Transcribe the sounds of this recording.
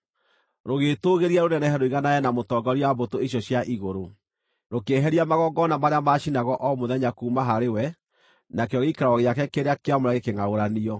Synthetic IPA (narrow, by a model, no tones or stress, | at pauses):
ɾoɣetoɣeɾiaɾonɛnɛɦɛɾoiɣanajɛnamotɔːɡɔɾiabotoeɕjɔɕjaʔiɣoɾo | ɾokeɦɛɾiamaɣɔɡɔnamaɾeamaʃinaɣɔʔɔmoðɛɲakuːmaɦaɾewɛ | nakeɔɣeikaɾaɔɣeakɛkeɾeakeamoɾaɣekeŋaoɾaniɔ